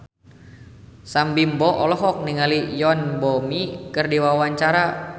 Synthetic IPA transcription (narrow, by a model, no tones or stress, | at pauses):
sambimbɔʔɔlɔɦɔk̚niŋalijɔnbɔmikɨrdiwawaɲt͡ʃaɾa